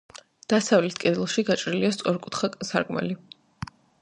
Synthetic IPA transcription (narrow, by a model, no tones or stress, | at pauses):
d̪̥asavlɛt̪ʰkʼɛd̪ɛlˠʃiɡat͡ʃʼɾiliast̪sʼwaɾkʼut̪ʰχasaɾkʼmɛ̰li